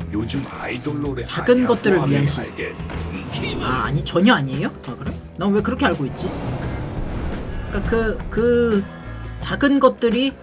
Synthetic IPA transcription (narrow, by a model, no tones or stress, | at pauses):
j | t͡ɕaɡɯnɡʌt̚t͈ɯɾɯɭɥiɦanɕʰi | aa̰ɲit͡ɕʌɲʌaɲiejoakɯɾe | nʌmwe̞kɯɾʌkʰeaɭɡoit̚t͡ɕ͈i | k͈akɯkɯ | t͡ɕaɡɯnɡʌt̚t͈ɯɾi